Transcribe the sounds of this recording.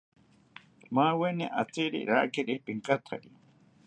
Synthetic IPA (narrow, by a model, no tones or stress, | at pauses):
mawenḭʔat͡siɾḭɾa̰kiɾipiŋkat̪ʰa̰ɾi